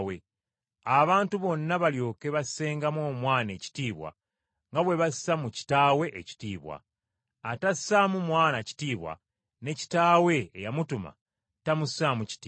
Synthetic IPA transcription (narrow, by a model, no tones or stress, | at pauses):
we | aβaːntuβo̞nːaβaljo̞ːke̞βasse̞ːŋɡamwo̞ːmwaːne̞ːci̥tiːβwa̰ | ŋɡaβwe̞βasːamuci̥taːwe̞ʔeci̥tiːβwa̰ː | tassamumwaːnaci̥tiːβwa̰ | ne̞ci̥taːwe̞ːjamutuma̰ | tamussamuci̥tiː